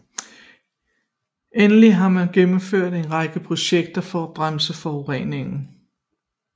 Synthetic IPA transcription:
enəliɦɑ̈mænɡ̥emm̩føɐ̰d̥e̝nʁɑ̈ɡ̥əpʰʁo̝ɕeɡ̥̚d̥ɐfɒæb̥ʁamsəfɒʊʁḛːne̝ŋn̩

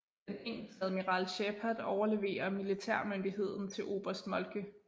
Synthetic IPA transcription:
eneŋ̰̩̥hɛð̩ˠmiʁɑlɕepʰæd̥ˠɒʊɐle̝ʋe̝̰ːɐmilit͡sʰæɐ̰mønd̥iɦe̝ð̞̰ˠn̩t͡sʰe̝lʔo̝̰ːb̥ɐsd̥mɒ̽lkʰə

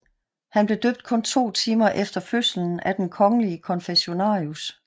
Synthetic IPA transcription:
hænb̥le̝d̥ø̰ːb̥̚d̥̚kʰɔ̽nt͡sʰo̝̰ːt͡sʰiːmɐʔefd̥ɐføsln̩æd̥enkʰɒ̽ŋəliəkʰɒ̽nfeɕo̝nɑ̰̈ːus

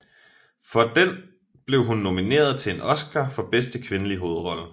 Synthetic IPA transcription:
fɒ̽d̥en | b̥le̝ʊɦunːo̝mine̝̰ːɐð̞̩ˠt͡sʰe̝e̝nɒ̽sɡ̥ɐfɒ̽b̥esd̥əkʰʋe̝nəliɦo̝ːð̩ˠʁɒ̽lə

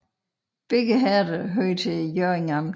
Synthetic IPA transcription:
b̥eɡ̥əɦæɐdəɦøːt͡sʰejøeŋɑm

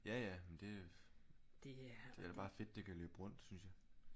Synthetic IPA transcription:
jæjæmend̥e̝æ | d̥e̝ælb̥ɑ̈ːfe̝d̥̚ːe̝kʰæløːb̥ʁɔ̽n̰d̥synsjɑ̈ɪ

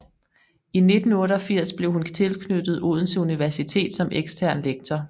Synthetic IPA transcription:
ine̝d̥n̩ɔ̽ːɾəɒ̽fiɐ̰sb̥le̝ʊhunt͡sʰe̝lkʰnød̥ð̩ˠoð̞̰ˠn̩suniʋæɐsit͡sʰe̝̰ːd̥sɒ̽meɡ̥sd̥ʰæɐ̰nleɡ̥̚t͡sʰɒ

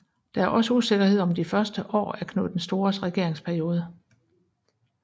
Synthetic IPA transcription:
d̥ɑ̈æɐʔɒ̽səuse̝ɡ̥ɐhe̝ð̞̰ˠɒ̽md̥ifɶɐsd̥əʔɒ̰ːæɐkʰno̰ðd̥ensd̥o̝ːɐsʁɛɡ̥e̝ɐ̰e̝ŋspʰæɐjo̝ːð̞ˠə

